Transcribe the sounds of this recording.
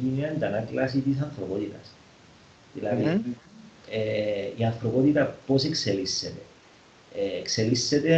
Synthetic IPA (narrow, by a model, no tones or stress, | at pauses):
ineaend̪anaklas̬it̪is̬anfɾopot̪it̪a̰s | ilaki | eianfɾopot̪it̪apos̬ekselisːet̪eː | kselisːet̪e